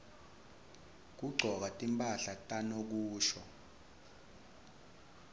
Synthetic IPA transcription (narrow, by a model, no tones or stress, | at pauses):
k̬uɡ͡ǀʱɔk̬atʼimpʼaɬatʼanok̬uːʃɔ